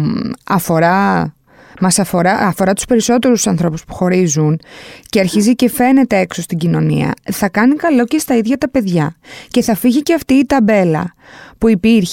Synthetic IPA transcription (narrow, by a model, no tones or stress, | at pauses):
ɐfo̞ɾɐ | mɐsɐfo̞ɾɐːfo̞ɾɐt̪u̥spe̞ɾiso̞t̪e̞ɾusɐnθɾo̞puspu̥xo̞ɾizunceɐɾçizice̞fe̞ne̞t̪e̞e̞kso̞st̪iɟino̞nḭɐ̰θɐkɐnikɐlo̞ce̞st̪ɐiðʝɐt̪ɐpe̞ðʝɐce̞θɐfiʝiceɐft̪iːt̪ɐbe̞lɐ̰ | puipiɾç